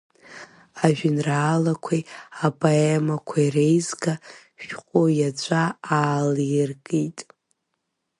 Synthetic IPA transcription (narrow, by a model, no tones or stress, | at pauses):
aʒᶣɪnraːlakʷʰijapʰʼoemakʷʰairejzɡa | ʃqʼojad͡ʒʷʰʼaaːlijrɡʼitʼ